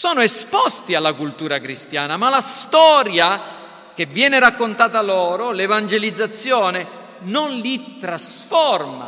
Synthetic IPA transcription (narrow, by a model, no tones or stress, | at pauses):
sɔːnoespɔst̪ialːakult̪uːɾakɾist̪jaːnamalast̪ɔːɾja | k̟evːjɛːneɾakːont̪aːt̪alɔːɾolevand͡ʒelid̪zːat̪sːjɔːne | nonlit̪ɾasfɔrma̰